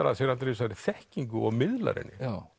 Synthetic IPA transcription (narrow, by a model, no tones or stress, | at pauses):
aɾasɛɾalt̪ɾɪs̬aɾɪθɛhciŋkʏɔɣmɪðla̰ɾɛ̰nːɪa